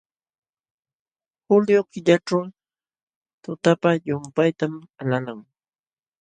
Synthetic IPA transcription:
xʊljokɪʎaʈ͡ʂaw | t̪ʊt̪apajʊmpajt̪amalalaŋ

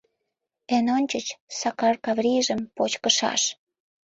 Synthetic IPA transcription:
enonʲt͡ɕət͡ɕsɑkɑrkɑvrʲiʒə̆mpot͡ɕkəʃɑ̰ʃ

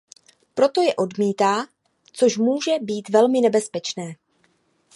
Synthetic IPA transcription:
pɾo̞t̪o̞jɛʔo̞dmiːt̪aː | t͡so̞ʃmuːʒɛbiːt̪vɛlmɪnɛbɛspɛt͡ʃnɛː

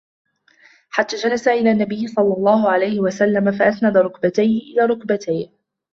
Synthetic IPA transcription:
ħat̪ːaːd͡ʒalasaʔɪlaːnːabɪjːɪsˤɑlːɑlˤːɑːhʊʕalajhɪwasalːamafaʔasnad̪aɾˤʊkbat̪ajhɪʔɪlaːɾˤʊkbat̪ʰaj

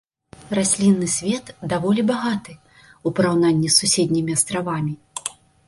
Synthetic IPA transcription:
rasʲlʲinːɨsʲvʲɛt̪d̪avɔlʲibaɣat̪ɨ | upɐɾawnanʲːisusʲed̪ʲnʲimʲiast̪ɾavamʲi

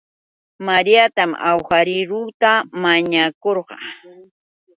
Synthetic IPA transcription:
maɾijat̪ama̰wxaɾɪɾuːt̪amaɲakoɾqɑ̰

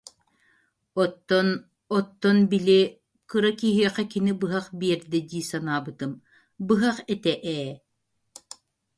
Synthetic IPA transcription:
ɔt̪ːɔn | ɔt̪ːɔnbili | kɯɾakiɦiɛqɛkinibɯɦaχbiɛɾd̪ɛd̪iːsanaːbɯt̪ɯm | bɯɦaχɛt̪ɛʔɛː

